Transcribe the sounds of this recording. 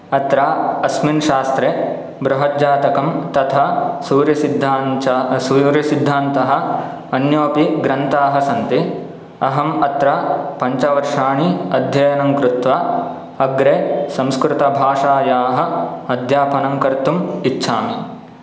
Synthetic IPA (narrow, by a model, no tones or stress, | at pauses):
ɐt̪ɾaːɐsminʃaːst̪ɾe | bɾɐɦɐd͡ʒaːt̪ɐkɐmt̪ɐt̪ʰɐsuːɾjɐsid̪ʱansuɾjɐsid̪ʱːaːnt̪ɐɦɐ̆ | ɐnjoːpiɡɾɐnt̪aːɦɐsɐnt̪i | ɐɦɐmɐt̪ɾɐpɐɲt͡ʃɐʋɐɾʂaːɳiɐd̪ʱjɐjɐnɐŋkɾut̪ʋa | ɐɡɾeːsɐ̃mskɾɪt̪ɐbʱaːʂaːjaːɦɐ̆ɐd̪ʱjaːpɐnɐŋkɐɾt̪umitːʃʰaːmi